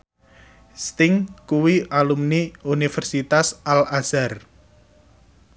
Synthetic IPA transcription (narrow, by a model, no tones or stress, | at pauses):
st̪ɪŋkuwiʔalumniunifɛrsit̪asʔalazar